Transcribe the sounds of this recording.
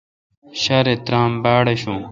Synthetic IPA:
ɕɐɾet̪ɾaːmbaːɽɐɕũː

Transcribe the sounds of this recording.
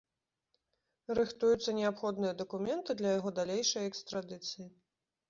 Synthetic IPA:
ɾɨxt̪ujut̪sːɐnʲɛapxɔd̪nɨjɐd̪ɐkumʲɛnt̪ɨd̪lʲɐjaɣɔd̪alʲejʂɐjɛkst̪ɾad̪ɨt̪sɨji

